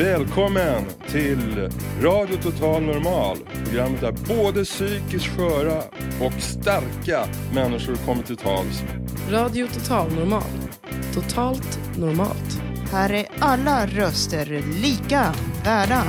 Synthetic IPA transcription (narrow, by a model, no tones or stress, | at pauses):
vɛːlkʰɔmːən | t̪ʰɪlɾɑːd̪jʊt̪ʰʊt̪ʰɑːlnɔɾmɑːlpʰɾʊɡɾamːət̪̚æɾboːd̪əsyːkɪskɧœːɾaɔkst̪aɾkamɛnːɪʂʊɾkʰɔmːəʈʰɪlt̪ʰɑ̰ːlsɾɑːd̪ɪʊt̪ʰʊt̪ʰɑːlnʊɾmɑ̰ːl | t̪ʰʊt̪ʰɑːlt̪ | nʊɾmɑ̰ːlt̪hæːɾæɾalːaɾœst̪əɾliːkavæːɖa